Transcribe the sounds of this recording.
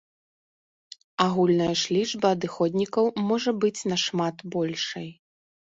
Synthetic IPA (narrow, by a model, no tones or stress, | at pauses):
aɣulʲnɐjɐʂlʲiʐbɐːd̪ɨxɔd̪ʲnʲikɐwmɔʐɐbɨt͡sʲnɐʂmat̪bɔlʲʂɐj